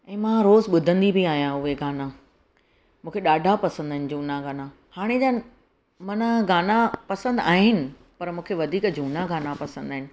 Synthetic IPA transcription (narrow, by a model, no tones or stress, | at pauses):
ɛ̃ːmãɾoːzɓʊd̪ʱə̃nd̪ibiaːɦijãʊɦeɡaːna | mũːkʰeɗaːɖʱapɐsə̃nd̪aɦɪ̃nɪ̆d͡ʑuːnaɡaːna | haːɽ̃ed͡ʑa | mɐnaɡaːnapɐsə̃nd̪aːɦɪnɪ̆ | pɐɾmũːkʰeʋɐd̪ʱiːkd͡ʑʱuːnaɡaːnapɐsə̃nd̪aːɦɪnɪ̆